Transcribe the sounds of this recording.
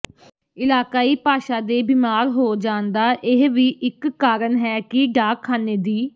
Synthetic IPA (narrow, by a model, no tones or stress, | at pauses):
ɪlaːkaːiːpaːʃaːd̪eːbiːmaːɾɦoːd͡ʒãːnd̪aːʔɪɦʋiːʔɪkːaːɾəɳɦɛːkɪɖaːkʰːaːneːd̪iː